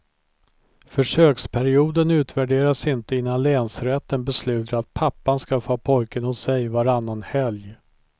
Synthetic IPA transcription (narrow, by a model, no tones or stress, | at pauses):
fœʂøːkspʰæɾɪuːd̪ənʉ̟ːt̪væɖeːɾasɪnt̪əɪnːanlɛːnsɾɛt̪ːənbɛslʉ̟ːt̪ɾat̪̚pʰapːanskafoːpʰɔjkənhʊsɛjvaɾanːanhɛlj